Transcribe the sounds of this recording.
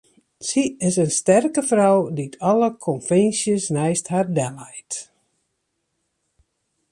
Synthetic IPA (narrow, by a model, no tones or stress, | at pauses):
siɪsənstɛrkəfrɔwditʰɔləkʰɔnfɛnsjəsnɛjsthardɛlɛjt